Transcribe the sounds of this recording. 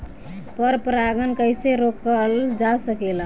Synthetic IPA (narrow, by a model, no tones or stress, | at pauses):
pəɾpɾaɡənkəjseɾokəld͡ʒasəkela